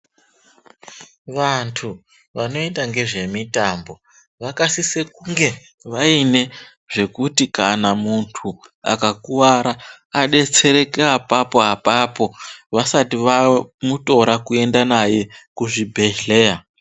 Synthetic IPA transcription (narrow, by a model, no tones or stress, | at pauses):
ʋantʰu | ʋano̞endaŋɡe̞ʐe̞mitambo̞ | ʋakasise̞kuŋɡe̞ | ʋaine̞ | ʐ̥e̞kutikanamuntʰua̰kakuwaɾa | aɗe̞t͡se̞ɾe̞keapapo̞ɦapapo̞ʋasatiʋamuto̞ɾakue̞ndanaje̞kuʐibʱe̞ɮe̞ːa